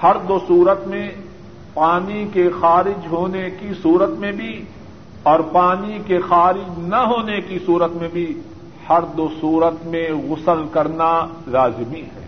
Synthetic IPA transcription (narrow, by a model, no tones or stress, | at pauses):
hɐɾd̪oːsuːɾət̪mẽ | paːnikexaːɾɪd͡ʒɦoːnekisuːɾət̪mẽbʱi | ɔːɾpaːnikexaːɾɪd͡ʒnɐɦoːnekisuːɾət̪mẽbʱi | hɐɾd̪osuːɾət̪mẽɣʊsəlkɐɾnaɾaːzmiɦɛ̰ː